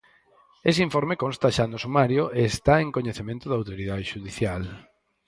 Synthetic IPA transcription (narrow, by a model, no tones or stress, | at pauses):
es̬eiɱfoɾmekonst̪aʃanosumaɾjoʔeːst̪aeŋkoɲeθemẽnt̪ʊðawt̪oɾiðaðeʃuðiθjal